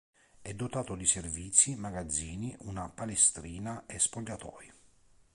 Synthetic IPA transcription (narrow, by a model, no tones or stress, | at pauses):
ɛd̪ːot̪aːt̪od̪iserviːt̪sːimaɡad̪zːiːniʔunapalest̪ɾiːnaɛspoʎːat̪ɔ̰ːi